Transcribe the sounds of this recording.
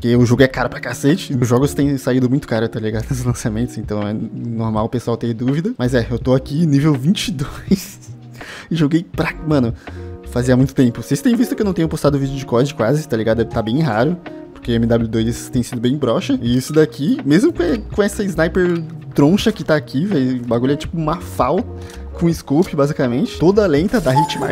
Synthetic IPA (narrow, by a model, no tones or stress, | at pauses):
poɾkeeʊʒoɡʊɛkaɾɐpɾɐkaset͡ʃɪʊʒɔɡʊst̪ẽj̃said̪ʊmũj̃t̪ʊ̥kaɾɐt̪aliɡad̪ʊnesɪzlɐ̃samẽnt̪ʊzẽnt̪ɐ̃w̃ɛnoɾmawpeswawt̪ẽd̪uvid̪ɐmɐzɛewt̪oakĩnivewvĩnt͡ʃɪd̪ojs | ɪʒoɡejpɾamɐ̃nʊfaziɐmũj̃t̪ʊt̪ẽmpʊsɪesʊ̥t̪ẽj̃vist̪ɐkɪewñt̪eɲʊ̃post̪ad̪ʊvid͡ʒɪʊd͡ʒɪkɔd͡ʒɪkwazɪt̪aliɡad̪ʊt̪abẽj̃ɦaɾʊ | poɾkeamid̪ablud̪ojzst̪ẽj̃sid̪ʊbẽj̃bɾɔʃɐɪisʊd̪akʰimezmʊkõkõɛsɐɪznajpeɾt̪ɾõʃɐkɪt̪aːkʰivɛjbaɡuʎɐt͡ʃi̥pʊũmɐfawt̪ɐ | kõɪskowpɪbazikamẽnt͡ʃɪ̥t̪od̪ɐalẽnt̪ɐd̪aɦẽt͡ʃɪma̰